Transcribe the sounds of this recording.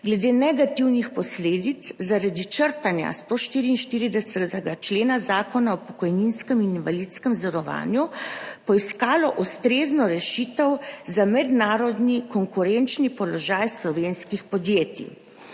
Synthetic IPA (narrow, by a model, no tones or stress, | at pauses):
ɡlɛd̪eːnɛɡat̪iwnixpɔsleːd̪it̪szaɾad̪it͡ʃəɾt̪anja̰st̪oʃt̪iːɾiːnʃt̪iːɾid̪ɛsɛt̪ɛɡat͡ʃleːnazaːkɔnaɔpɔ̥kɔjninskɛmininʋalit̪skɛmzɔɾɔʋa̰ːnjupɔiskaːlɔʔust̪ɾeːznɔɾɛʃit̪ɛwzamɛd̪naːɾɔd̪nikɔŋkuɾɛnt͡ʃnipɔlɔʒaːjslɔʋeːnskixpɔd̪jeːt̪ḭ